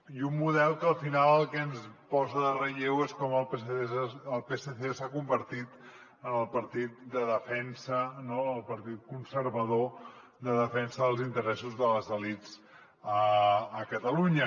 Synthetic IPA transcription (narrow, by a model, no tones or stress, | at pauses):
iummuðɛlˠkəlˠfinalˠəlˠkɛnspɔzəðərəʎeweskɔməlˠp | əlˠpeseθesakumbəɾt̪it̪ | ənəlˠpəɾt̪it̪̚d̪əðəfɛnsənoəlˠpəɾt̪it̪̚kunsəɾβəðo | d̪əðəfɛnsəðəlˠzint̪əɾɛsuzðələzðəlit͡s | əːkət̪əluɲə